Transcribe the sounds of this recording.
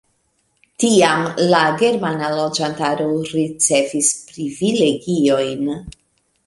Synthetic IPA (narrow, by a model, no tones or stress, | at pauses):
tiamlaɡe̞ɾmanalo̞d͡ʒantaɾoɾit͡se̞vispɾivile̞ɡio̞jn